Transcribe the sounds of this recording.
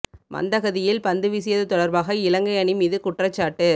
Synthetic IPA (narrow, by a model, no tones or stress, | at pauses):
mɐ̰nd̪ɐɣɐðɪjɪlpɐnd̪ɯʋɪsɪjɐðɯt̪ɔɽɐɾbaːɣɐɪlɐŋɡɐɪɐɳɪmiːðɯkʊʈrɐt͡ʃːaːʈːɯ